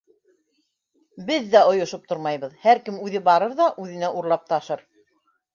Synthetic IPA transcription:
bɘðːæŏjŏʃop̚t̪oɾmɑjβɤðhæɾkɘmʉðɘbɑɾɤɾðɑʔʉðɘ̆næʔuɾlˠɑp̚t̪ɑʃɤɾ

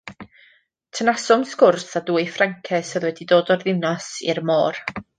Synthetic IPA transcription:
tʰənasɔmskʊrθaduːɨfraŋkʰɛsəðwɛdidoːdɔrðɪnɔsirmoːr

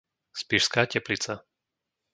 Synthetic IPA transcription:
spiʃskaːcɛplit͡sa

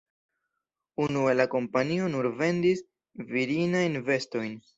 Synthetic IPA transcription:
unue̞lako̞mpanio̞nuɾve̞ndis | viɾinajnve̞sto̞jn

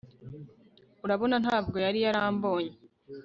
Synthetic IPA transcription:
uɾaβo̞nanhaːbɡo̞jaɾijaɾaːmbo̞ːɲe

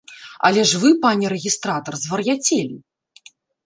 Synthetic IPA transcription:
ɐ̰lʲɛʐvɨpanʲɛɾɛɣʲist̪ɾat̪ɐrzvɐrjat͡sʲelʲi

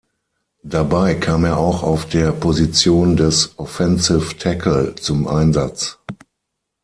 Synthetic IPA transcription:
d̥abaɪkʰaːmeːɐʔaʊxaʊfd̥eːɐpʰozit͡sjoːndɛsʔɔfɛnsɪftʰɛkʰl̩t͡sʊmʔa̰ɪnzat͡s

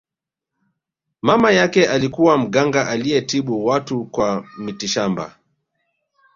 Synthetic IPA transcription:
mamajakɛʔalikuwam̩ɡaŋɡaʔalijɛtiɓuwatukwamitiʃamba̰

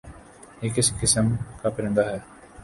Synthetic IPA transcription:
jeːkɪskɪsəmkaːpɐɾɪ̃nd̪aɦɛː

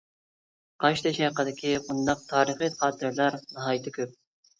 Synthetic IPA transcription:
qʰɑʃt̪ʰɛʃɛqəd̪ɪkʲʰibund̪ɑq̚t̪ʰɑːɾəχiχɑːt̪ʰɨɾlˠɑɾnɨɦɑːjt̪ʰɪkʲʰøp̚

